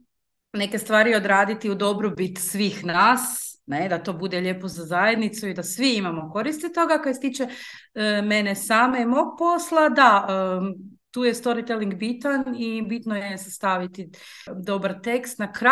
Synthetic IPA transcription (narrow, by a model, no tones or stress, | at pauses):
ne̞ke̞st̪ʋaːɾio̞d̪ɾaːd̪it̪iud̪o̞bɾobit̪sʋiːxnaːsne̞d̪at̪o̞ːbud̪eʎe̞ːpozazaje̞d̪nit̪suid̪asʋiimamo̞ko̞ɾist̪it̪o̞ɡakoest̪iːt͡ʃe | me̞nesaːmaimo̞ːɡ̚po̞slˠad̪aə | t̪uːje̞st̪o̞ɾit̪eliŋɡbit̪anibit̪nojesest̪aʋit̪i | d̪o̞baɾt̪e̞kst̪nakɾa